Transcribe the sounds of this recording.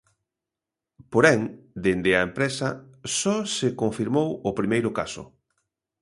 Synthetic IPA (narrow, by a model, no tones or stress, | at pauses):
poɾɛŋd̪end̪ɪɐempɾɛsɐsɔsekoɱfiɾmowʊpɾimejɾʊka̰sʊ̰